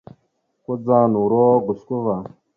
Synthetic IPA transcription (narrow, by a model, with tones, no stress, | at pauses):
ko˦d͡za˦nu˨ɾo˦ɡʊ˨sku˦va˨